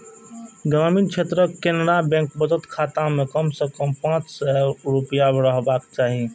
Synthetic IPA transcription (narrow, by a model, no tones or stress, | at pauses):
ɡɾaːmiːnt͡ʃʰeːt̪ɾəkenɽabɛ̃ŋkbəd̪ət̪kʰaːt̪amẽkəmsekəmpãːt͡ʃsɛɾupijabɾəɦbaːkt͡ʃaːɦi